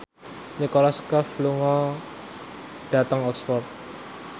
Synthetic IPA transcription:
nikɔlɔskəfluŋɔ | ɖ̥a̤t̪əŋɔkspɔrt̪̚

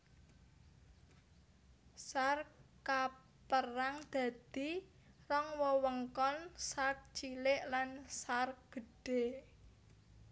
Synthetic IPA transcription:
sarka | pəraŋd̪̥ä̤d̪̥i̤ | rɔŋwɔwəŋkɔnsark̚t͡ʃilɪʔlansar̚ɡ̥ə̤ɖ̥e

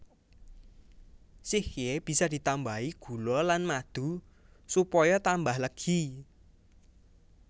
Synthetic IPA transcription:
sihjeb̥i̤sɔd̪̥i̤t̪ambaiɡ̥ṳlɔlanmad̪̥ṳ | supɔjɔt̪ambahləɡ̥i

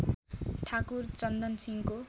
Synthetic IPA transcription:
ʈʰakurt͡sʌnd̪ʌnsiŋko

